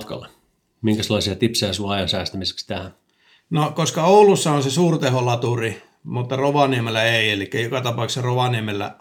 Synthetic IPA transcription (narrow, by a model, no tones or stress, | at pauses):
t̪kɑ̰lːe | miŋkæselːɑˑsiɑt̪ipseæsuɑɑjɑnsæːst̪æmise̥kst̪æhæn | nokoskɑoulusːɑõnsesuːrt̪eholɑt̪uri | mut̪ːɑroʋɑniemelːæeˑielikːæjokɑt̪ɑpɑˑuksɑroʋɑniemelːæ̰